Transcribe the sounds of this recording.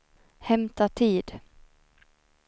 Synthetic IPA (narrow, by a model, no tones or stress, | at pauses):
hɛmt̪at̪ʰiːd̪